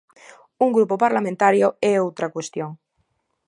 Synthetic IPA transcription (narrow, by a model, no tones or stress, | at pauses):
uŋɡɾupopaɾlamẽnt̪aɾjoɛowt̪ɾakwest̪joŋ